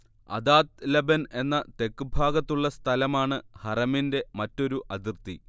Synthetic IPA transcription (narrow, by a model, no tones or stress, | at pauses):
ɐ̰d̪aːt̪̚lɐbɐne̞nːɐt̪e̞kːɨbʱaːɡɐt̪ːuɭːɐst̪ʰɐlɐmaːɳɨhɐrɐminde̞mɐtːo̞ɾuʔɐd̪irt̪i